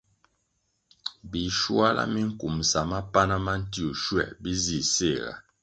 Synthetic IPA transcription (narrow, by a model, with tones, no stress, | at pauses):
bi˨ʃwa˦lʔa̰˦mi˦ŋ̩˦ku˨msa˨ma˦pa˦na˦ma˦n̩˦ti˦o˨ʃwɛ̰˦˨bi˦zi˦˨se˦˨ɣa̰˨